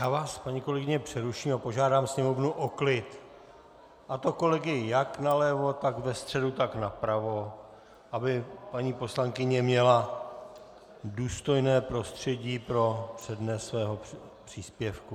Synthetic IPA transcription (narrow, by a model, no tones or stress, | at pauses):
jaːvaːspaɲiːko̞lɛɡɪɲɛpr̝̥ɛɾuʃiːmapo̞ʒaːdaːmsɲɛmo̞vnuʔo̞klɪt̪ | ʔat̪o̞ko̞lɛɡɪjɪjaknalɛvo̞t̪akvɛst̪r̝̥ɛdut̪aknapɾavo̞ | ʔabɪpaɲiːpo̞slaŋkɪɲɛmɲɛla | duːst̪o̞jnɛːpɾo̞st̪r̝̥ɛɟiːpɾo̞pr̝̥ɛdnɛsvɛːɦo̞ | pr̥iːspjɛfku